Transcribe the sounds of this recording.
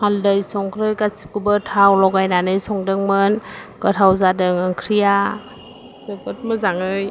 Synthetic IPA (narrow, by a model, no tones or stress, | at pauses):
haldɯjsɔŋkʰɾɯjkasi̥p̚kɯbɯtʰawlɔɡajnanɯjsɔŋdɯŋmɯnkɯtʰawzadɯŋɯŋkʰɾija | sɯpɯt̚mɯzaŋɯj